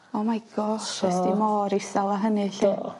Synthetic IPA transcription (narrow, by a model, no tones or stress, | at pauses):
ɔmajɡɔɛssd̥imɔːɾisalˠaɦənɨɬe